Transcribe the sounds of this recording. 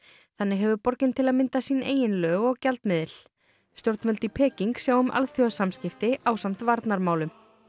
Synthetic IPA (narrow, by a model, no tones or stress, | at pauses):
θanːɪɦɛvʏpɔɾcɪnt̪ʰɪlaðmɪnt̪asiːneːjɪnlœːɣɔɣcalt̪mɪðɪl̥ | st̪jowɾt̪mfœlt̪ipʰɛːciŋksjaːwʏmʔa̰lθjɔsamscɪft̪ɪʔaːwsam̥t̪vaɾt̪naɾmaːwlʏm